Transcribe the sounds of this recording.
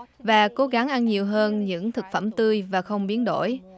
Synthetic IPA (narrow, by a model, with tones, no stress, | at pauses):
vaː˨˩ko˨˦ɣa˨˦ŋʔa˧nɲi˨˩əwɦəː˧nɲɨ̰˧˥ŋt̪ʰɨ˨˩k̚fə˧˩mt̪ɨ˧əjvaː˨˩xə˧wŋ͡mɓi˨˦ənɗo̰˧˩j